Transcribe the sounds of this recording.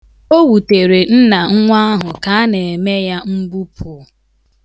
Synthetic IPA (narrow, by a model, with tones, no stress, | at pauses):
o˦wu˨te˨ɾe˨n̩˦na˨ŋ̩˦ŋʷa˦ɦʊ˨ka˨˦ne˨e˨me˦ja˦m̩˦bu˦pʰʊ˨˦